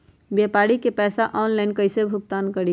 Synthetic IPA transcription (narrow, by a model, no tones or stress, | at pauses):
bjapaɽikepɛːsaʔɔnlaɪnkəɪsebʱʊk̚t̪ankəɽi